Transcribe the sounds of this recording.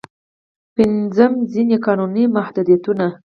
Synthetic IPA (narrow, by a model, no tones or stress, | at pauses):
pɪnd͡zəmzinekɑnunimahd̪ud̪ijat̪una